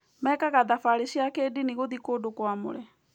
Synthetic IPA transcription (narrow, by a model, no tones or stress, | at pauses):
mɛːkaɣaðafaɾesiakeːdiniɣoðikodokwamo̰ɾɛ